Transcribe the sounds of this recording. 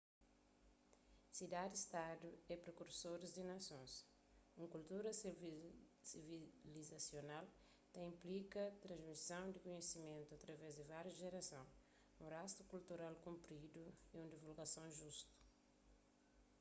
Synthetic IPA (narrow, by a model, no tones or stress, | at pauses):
sid̪ad̪ist̪ad̪uɛpɾekuɾsoɾizd̪inasõs | ũkult̪uɾɐs | sivilizasjonal | t̪aĩmplikɐt̪ɾɐ̃zmisɐ̃w̃d̪ɪkoɲesimẽnt̪uat̪ɾɐvɛzd̪ɪvaɾjuʒeɾasɐ̃w̃ | ũɾast̪u̥kult̪uɾalkũmpɾid̪uiũd̪ivulɡasɐ̃w̃ʒust̪u̥